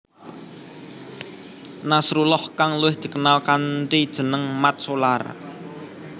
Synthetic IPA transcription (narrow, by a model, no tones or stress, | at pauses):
nasɾulɔhkaŋluwɪhd̪̥i̤kənalkaɳʈid̥ʒ̥ə̤nəŋmat̪̚sola̰r